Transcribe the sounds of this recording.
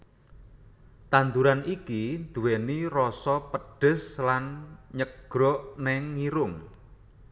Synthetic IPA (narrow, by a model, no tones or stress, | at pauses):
t̪and̪uɾanikind̪̥ṳwenirɔsɔpəɖ̥ə̤slanɲəɡ̥ɾɔʔnɛŋːiɾʊŋ